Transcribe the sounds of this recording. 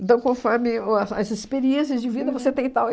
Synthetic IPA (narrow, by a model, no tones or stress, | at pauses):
nt̪ɐ̃w̃kõfɔɾmɪsɐzɪspeɾiẽsɪɐzd͡ʒɪvid̪ɐvoset̪ẽt̪aw